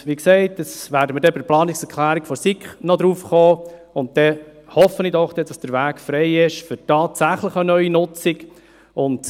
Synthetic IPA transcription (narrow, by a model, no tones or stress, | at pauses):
ʋiksɛɪtːəsʋæːɾdəmədɛbɪplɑːnɪksɛɾkʰlæːɾikfɔsikχnɔd̪ɾuːfχoː | ʊnt̚tɛhɔfənidɔχd̥ɛd̥ɑsd̥əɾʋæːkfɾɛɪɪʃfʏɾtɑːtsæχləχənœʏinʊt͡sɪk | ʊnt